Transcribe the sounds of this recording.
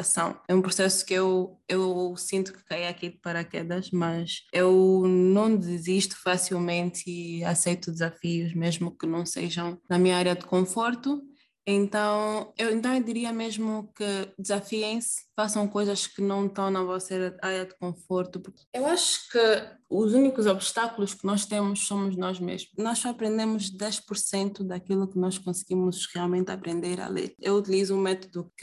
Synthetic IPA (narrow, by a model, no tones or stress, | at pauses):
ɐsɐ̃w̃ɛũpɾusɛsu̥kewewsĩnt̪u̥kɨ̥kaiɐkid̪pɐɾɐkɛd̪ɐʃmɐzewnɐ̃w̃d̪ɨziʃt̪u̥fasilˠmẽnt̪iɐsejt̪ud̪ɨzɐfiuzmeʒmukɨnɐ̃w̃sḛʒɐ̃w̃nɐmĩɲɐaɾjɐd̪ɨkõfoɾt̪u | ẽnt̪ɐ̃w̃ewẽnt̪̬ɐ̃w̃d̪iɾiɐmeʒmukɨd̪ɨzafiẽj̃sfasɐ̃w̃kojzɐʃkɨnɐ̃w̃t̪ɐ̃w̃nɐvɔsɐɛɾɐaɾjɐd̪ɨkõfoɾt̪upuɾkewaʃu̥kɨuzunikuzɔbʃt̪akulˠuʃkɨnɔʃt̪ẽmʊʃsõmuʒnɔʒmḛʒmʊnɔʃapɾẽnd̪emʊzd̪ɛʃpuɾsẽnt̪ud̪ɐkilˠukɨnɔʃkõsɨɡimʊzʁialˠmẽnt̪ɐ̰pɾẽnd̪eɾɐ̰lˠḛɾewut̪ilizuũmɛt̪od̪uk